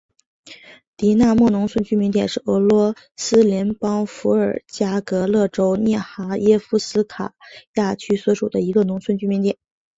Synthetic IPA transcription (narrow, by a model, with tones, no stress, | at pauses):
t̪i˧˥na˥˧mwɔ˥˩nʊ˧˥ŋt͡sʰwə˥˧nt͡ɕy˥mi˧˥ŋt̪jɛ̰˨˩nʂɻ̩˥˩ɤ˧˥lwɔ˧˥ | sɹ̩˥ljɛ˧˥npɑ˥ŋfu˧˥ə˞˨˩t͡ɕja˥kɤ˧˥lɤ˥˩ʈ͡ʂo˥ʊnjɛ˥˩xa˧˥jɛ˥fu˥sɹ̩˥kʰa̰˨˩ja˥˩t͡ɕʰy˥swɔ˧˥ʂu˨˩d̪ə˦i˧˥ɡə˧nʊ˧˥ŋsʰwə˥˧nt͡ɕy˥mi˧˥nt̪jɛ̰˨˩˦